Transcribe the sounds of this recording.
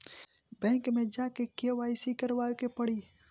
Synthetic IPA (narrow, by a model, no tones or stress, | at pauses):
bɛ̃ːŋkmẽd͡ʒaːkekeʋaːsikɐɾʋaːjkepɐɽiː